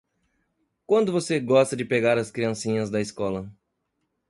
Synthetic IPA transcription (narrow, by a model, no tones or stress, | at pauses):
kwɐ̃nd̪ʊvoseɡɔst̪ɐd͡ʒɪpeɡaɾɐskɾiɐ̃sĩɲɐzd̪ɐiskɔlɐ